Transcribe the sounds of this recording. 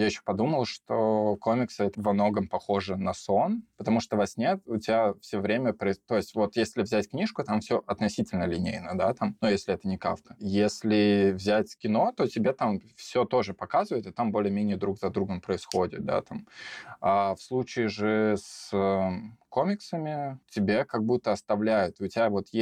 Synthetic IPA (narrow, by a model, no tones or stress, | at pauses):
jajɪɕːo̥pɐd̪uməlˠʂt̪oko̞mʲɪksɛt̪əvɐmno̞ɡəmpɐxo̞ʐɨnɐso̞npət̪ɐmuʂt̪ovasʲnʲet̪ʊtʲɪbʲafsʲovɾʲemʲəpɾəɪt̪o̞jɪsʲtʲvo̞t̪jesʲlʲɪvzʲætʲknʲiʂkʊt̪amfsʲoʔɐt̪nɐsʲitʲɪlʲnəlʲɪnʲḛjnəd̪at̪amnujesʲlʲɪɛt̪ənʲɪka̰fk̪ə̥jesʲlʲɪvzʲætʲkʲɪno̞t̪o̞tʲɪbʲet̪amfsʲot̪o̞ʐɨpɐkazɨvəɪt̪ɪt̪ambo̞lʲɪjəmʲenʲɪjəd̪ɾukzɐd̪ɾuɡəmpɾəɪsxo̞dʲɪ̰t̪̚d̪a̰t̪amafslˠut͡ɕɪːʐɨs | komʲɪksəmʲɪtʲɪbʲekɐɡ̚but̪ːəɐst̪ɐvlʲæjʊt̪ʊtʲɪbʲavo̞t̪je